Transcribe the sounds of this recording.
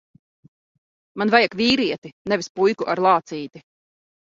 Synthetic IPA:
manvajakviːɾiɛt̪inɛvispujkuʔaɾlˠaːt̪siːt̪i

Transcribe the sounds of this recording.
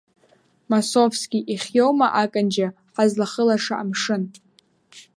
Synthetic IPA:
masovskʲʼiʔiχʲjowmaʔakʼand͡ʒa | ħazlaχəlaʂaʔamʂɨn

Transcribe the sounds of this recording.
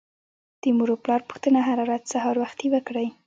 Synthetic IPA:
d̪̥əmuɾoplɑɾpu̥xt̪ənaɦaɾaɾazsaɦɑɾwaxt̪iwəkɽəj

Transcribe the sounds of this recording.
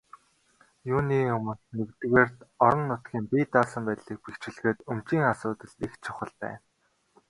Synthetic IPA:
juːniːʊmə̆nnewt̪ɘ̆ɣeːrt̪ɔɾɞ̆nːʊt̪ɡʲiːmpiːt̪aːsə̆mpæːt̪ɮiːk̚pixt͡ɕɪ̆ɮɣeːt̪ɵmt͡ɕiːŋasʊːt̪ə̆ɮt̪ixt͡ɕʰʊχə̆ɮp̪æ̰ː

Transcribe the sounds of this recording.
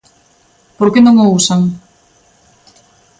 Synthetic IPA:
poɾkenoŋousaŋ

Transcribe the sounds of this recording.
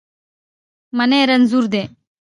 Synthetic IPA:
mɐnẽːɾənzuːɾd̪eː

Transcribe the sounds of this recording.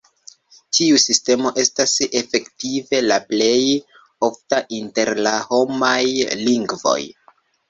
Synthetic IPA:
tʰiusiste̞mo̞ʔe̞stase̞fe̞ktive̞laple̞j | o̞ftaʔinte̞ɾlaho̞majliŋɡvo̞̰j

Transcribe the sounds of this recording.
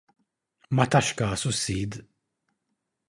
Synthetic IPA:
mɐt̪ɐʃkɐːsusːiːd̪

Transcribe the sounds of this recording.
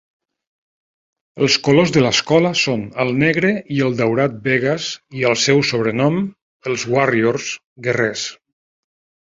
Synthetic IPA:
əlˠskolozðələskɔləsonəlˠnɛɣɾəiəlˠd̪əwɾat̪̚beɣəziəlˠsɛwsoβ̞ɾənɔm | əlˠzɣwarioɾz̥ | ɡerɛs

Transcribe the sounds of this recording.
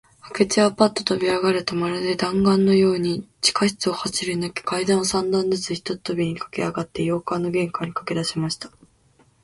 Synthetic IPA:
ake̞t͡ɕiapat̪ːot̪o̞bʲiaɡaɾɯ̟t̪omaɾad̪e̞d̪ãŋɡãnːo̞jo̞ːɲ̟it͡ɕi̥kaçi̥t͡sɨohat͡ɕiɾɯnake̥kaid̪ãɰ̃osãnd̪ãnd̪ezɨçʲi̥t̪o̞̥t̪o̞bʲiɲ̟ikḁke̞̰aɡat̪ːe̞jo̞ːkanːo̞ɡẽ̞ŋkaɲ̟ikḁke̞d̪aɕimaɕi̥t̪ḁ

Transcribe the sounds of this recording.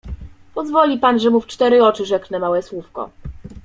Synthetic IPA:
pɔzvɔlʲipanʐɛmuft͡ʂt̪ɛɾɘɔt͡ʂɘʐɛknɛmawɛswufkɔ̰

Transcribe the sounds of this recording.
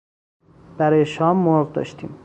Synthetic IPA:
b̥æɾɒːjeʃɒːmːoɾʁd̪ɒ̰ːʃt̪ʰḭːm

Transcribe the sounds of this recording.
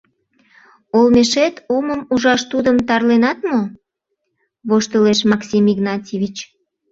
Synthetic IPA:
olmeʃet̪oməmuʒɑʃt̪ud̪əmt̪ɑrlenɑt̪mo | βoʃt̪əleʃmɑksʲimiɡnɑtʲiβʲit͡ɕ

